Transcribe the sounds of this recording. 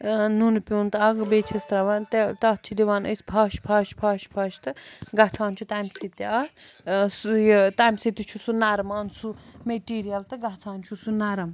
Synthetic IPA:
nunpʲuːnt̪ɐaɡɐbet͡ʃʰɐst̪ɾɐʋant̪t̪ɐt̪̚t͡ʃʰid̪iʋaːnɐ̰spʰaːʃpʰaːʃpʰaːʃpʰaːʃt̪ɨɡat͡sʰaːnt͡ʃʰut̪aːmʲsit̪iaːsjt̪aːmʲsit̪ʲit͡ʃʰusunaɾɐmaːnsumeʈiːɾijɐlt̪ɨɡɐt͡sʰaːnt͡ʃʰusunaɾɐm

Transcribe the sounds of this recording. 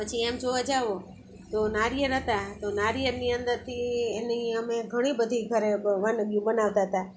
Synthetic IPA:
pət͡ʃʰiemd͡ʒoəd͡ʒaʋo | t̪onaɾijəɾɦət̪at̪onaɾijəɾniənd̪əɾt̪ʰieniəmẽɡʱəɽ̃ibəd̪ʱiɡʱəɾeʋənəɡjũbənaʋt̪aɦət̪a

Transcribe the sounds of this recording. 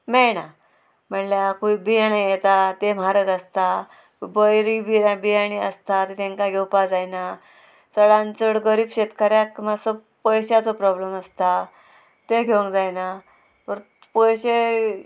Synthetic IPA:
mɛna | m̤əɳljakuibijaɽijet̪at̪em̤aɾəɡəst̪a | bəjɾibiɾabijaɽ̃iəst̪at̪et̪ẽŋkaɡʱewpad͡zajna | t͡səɽãnt͡səɽɡəɾiːbɕet̪kaɾjakmasɔ | pəjɕat͡sɔpɾɔbleməst̪a | t̪eɡʱeə̃ŋkd͡zajna | əɾ | pəjɕe

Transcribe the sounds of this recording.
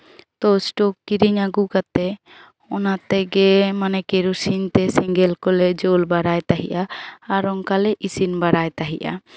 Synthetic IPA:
t̪ɔsʈokːiɾiɲaɡukat̪ɛ | ɔnat̪ɛɡɛmanɛkeɾusint̪ɛsiŋɡɛlkɔlɛd͡ʒolbaɽajt̪aɦiʔaːɾɔŋkalɛʔisinbaɾajt̪aɦiʔa̰

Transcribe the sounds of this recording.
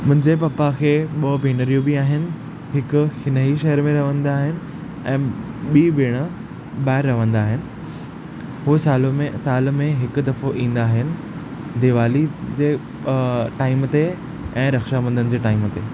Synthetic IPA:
mʊ̃ɦɪ̃ɲd͡ʑepɐpakʰeːɓɐbʱeːnəɾijobiaːɦɪnɪ̆ | ɦɪkʊ̆hɪnəɦiʃɐɦəɾmẽɾɐʋə̃nd̪aːɦɪnɪ̆ | ɛ̃ːɓiːbɪːɽ̃ə | ɓaːɪɾːɐʋə̃nd̪aːɦɪnɪ̆ | ɦusaːlomesaːlmẽɦɪkʊd̪ɐfoʔĩːn̆d̪aːɦɪnɪ̆ | d̪ɪʋaːlid͡ʑeː | ʈaːɪmt̪e | ɛ̃ːɾɐxʃamɐ̃nd̪ənɪ̆d͡ʑeːʈaːɪmt̪eː

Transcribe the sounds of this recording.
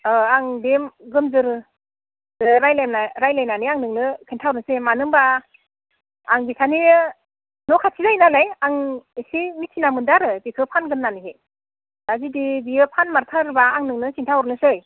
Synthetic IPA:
aŋdemɡɯmzɯɾɯ | dɯɾajlajmnaɾajlajnaniaŋnɯŋnɯkʰintʰawɾnɯsemanɯŋba | ŋbisʰani | nɔkʰatʰizajnalajaŋsimitʰinamɯndaɾɯbikʰɯpʰanɡɯmnanɯɦe | dazidibijɯpʰanmaɾtʰaɾbaaŋnɯŋnɯkʰintʰawɾnɯsɯj

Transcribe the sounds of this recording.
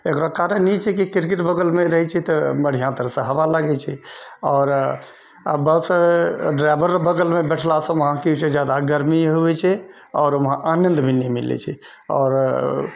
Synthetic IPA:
ekɾakaɾənːit͡ʃʰɛkikiɾkiʈbəɡəlmeɾəɦɛt͡ʃʰɛt̪ɔməɽ̤ijãt̪əɾəsə̃ɦəbalaɡɛt͡ʃʰɛɔːɾ | əbəsɖɾajbəɾbəɡəlmebɛʈʰlasə̃məɦãkiut͡ʃʰɛd͡ʒjad̪aɡəɾmiɦubɛt͡ʃʰɛ | ɔːɾmɦã̰ʔanənd̪bʱinɛmilɛ̰t͡ʃʰɛ | ɔ̰ːɾ

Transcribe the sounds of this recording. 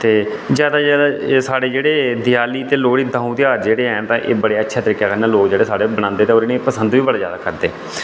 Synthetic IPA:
t̪eː | zjaːd̪aːd͡ʒaːd̪asaːɽeːd͡ʒeːɽeːd̪ɪjaːliːt̪eːloːɽiːd̪ãːũːt̪ɪjaːɾd͡ʒeːɽeːɦɛːnt̪ãːʔḛːbəɽeːətːʃʰaːt̪əɾiːkaːkəɾnãːloːkd͡ʒeːɽeːsaːɽeːbəɽ̃ãːnd̪eːt̪eːoːɾɪnẽːpəsənd̪ʋiːbəɽaːzja̰ːd̪aːkəɾd̪eː

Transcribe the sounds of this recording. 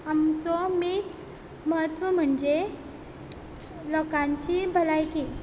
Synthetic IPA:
amt͡sɔmiː | məɦət̪ʋəm̤əɳd͡ze | lɔkãɲt͡ɕibʱəlajki

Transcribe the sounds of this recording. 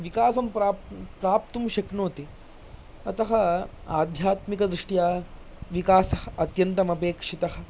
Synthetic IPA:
ʋikaːsɐmpɾaːpɾaːp̚t̪umʃɐknoːt̪i | ɐt̪ɐɦɐaːd̪ʱjaːt̪mikɐd̪ɾiʂʈjaː | ʋikaːsɐhɐɐt̪jɐnt̪ɐmɐpeːkʂit̪ɐɦɐ̆

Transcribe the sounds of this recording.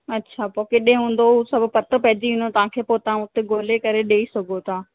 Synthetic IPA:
ɐtːɕʰapoːkeɗẽɦũːn̆d̪ousɐbʱʊpɐt̪əpɐɦɪd͡ʑiĩːnd̪ot̪ɐʋ̤ãkʰeːpoːt̪ɐãʊt̪eɡoːlekɐɾeɗeːisɐɡʱot̪ʰaː

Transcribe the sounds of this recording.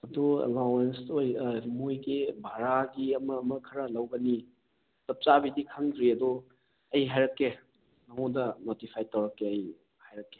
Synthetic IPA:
ɐduḛlawensojmujɡibʱaɾaɡiɐmɐːmɐkʰɐɾɐlɐwɡɐni | tɐp̚t͡ʃabidikʰɐŋɡɾiɐdu | ɐjɦajɾɐkːe | nɐŋodɐnotipʰajtɐwɾɐkːeɐj | hajɾɐkːe̥

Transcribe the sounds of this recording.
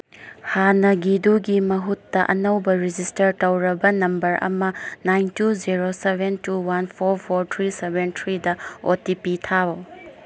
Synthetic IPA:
hanɐɡiduɡimɐɦutːɐʔɐnɐwbɐɾid͡ʒistɐɾtɐwɾɐbɐnɐmbɐɾʔɐ̰mɐnajntuziɾosebʱentuwanpʰoɾpʰoɾt̪ʰɾisebʱentʰɾidɐotipitʰabo

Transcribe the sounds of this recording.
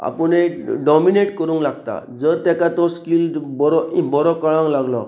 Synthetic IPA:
a̰pəneɖɔmineʈkəɾũːŋklaɡt̪a̰d͡zəɾt̪ɛkat̪ɔskilbɔɾɔĩbɔɾɔkəɭãŋlaɡlɔ

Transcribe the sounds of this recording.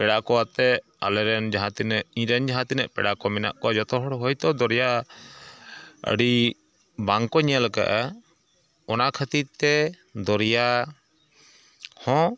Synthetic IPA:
pɛɽakɔwat̪ɛʔ | a̰lɛɾɛnd͡ʒaɦãt̪inɛʔĩɾɛnd͡ʒaɦãt̪inɛʔpɛ̰ɽakɔmɛna̰ʔkɔad͡ʒɔt̪ɔɦɔɽɦɔjt̪ɔd̪ɔɾja | ə̰ɽi | baŋkɔɲəlka̰ʔa | ɔnakʰət̪it̪ɛ | d̪ɔɾja | hɔ̃

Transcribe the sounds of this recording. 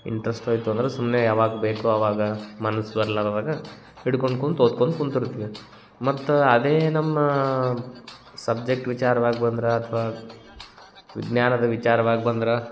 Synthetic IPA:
ḭɳʈɐɾɐsʈoːjt̪uɐnd̪ɐɾesumnejaːʋaːɡɐbeːkuɐʋaːɡɐmɐnɐsːbɐɾɐlaːɾoːd̪aːɡɐ | iɽko̞ɳɖ̚kond̪oːd̪̚koɳd̪ukuɳt̪iɾt̪ːiʋi | mɐt̪ːuɐd̪eːnɐmːɐ | sɐb̚d͡ʒek̚ʈʋit͡ʃaːɾɐʋaːɡibɐnd̪iɾeɐt̪ʰɐʋaː | ʋḭɡnjaːnɐd̪ɐʋit͡ʃaːɾɐʋaːɡibɐnd̪ɾe

